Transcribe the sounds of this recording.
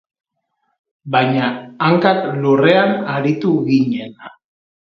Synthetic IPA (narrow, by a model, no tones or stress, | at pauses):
bajɲaːŋkaklure̞anaɾit̪uɣiɲe̞na